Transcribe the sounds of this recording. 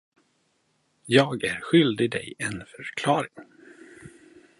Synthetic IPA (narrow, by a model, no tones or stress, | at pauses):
jɑːɡæɾɧʏld̪ɪd̪ɛ̰jɛnfœɾkʰlɑːɾɪŋ